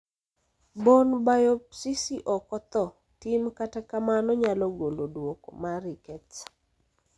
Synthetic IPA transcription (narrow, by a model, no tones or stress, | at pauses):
bonbajopsisiʔɔkɔt̪ɔ | timkatakamanɔɲalɔɡolodwoko̰maɾikɛt͡s